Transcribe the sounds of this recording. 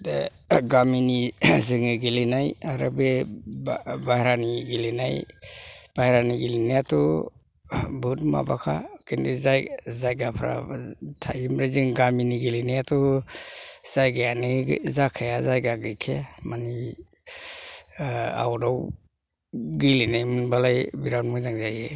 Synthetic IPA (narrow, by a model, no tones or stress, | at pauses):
dḛ | ɡaminizɯŋɯɡilinajaɾabe | baɾaniɡilenaj | b̥ajɾaniɡilinijatɔ | bɯtma̰bakʰakindizajzajɡapʰɾa̰tʰajimɾaziŋɡaminiɡilinijatɔ | z̥ajɡajanḭzakʰajazajɡaɡɾikʰemani | a̰wdaw | ɡilinajmɯnbalajbiɾanmujdaŋzaje